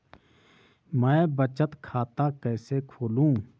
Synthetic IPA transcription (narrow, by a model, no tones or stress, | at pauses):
mɛ̃ːbət͡ʃət̪kʰaːt̪akɛːsekʰoːlũː